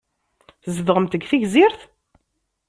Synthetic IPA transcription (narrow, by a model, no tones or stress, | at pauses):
θzəðʁəmt̪əɡθiʝziɾθ